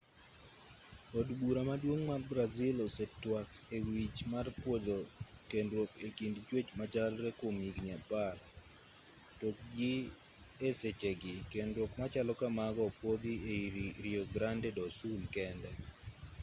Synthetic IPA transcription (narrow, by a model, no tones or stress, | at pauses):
odbuɾamadwoŋmarbɾazɪlɔsɛtwakewit͡ʃmarpwod̪okendɾokekindt͡ʃwet͡ʃmat͡ʃalɾɛkomiɡɲapar | tok̚ɡɪ | eset͡ʃeɡɪkendɾokmat͡ʃalɔkamaɡɔpwod̪ieiɾɪɔɡɾandɛdɔsulkɛndɛ